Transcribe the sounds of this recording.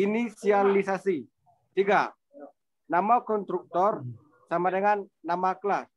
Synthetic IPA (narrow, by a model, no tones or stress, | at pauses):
inisialisasi | t̪iɡa | namakɔnt̪ɾuk̚t̪ɔr | samadəŋanːamaklas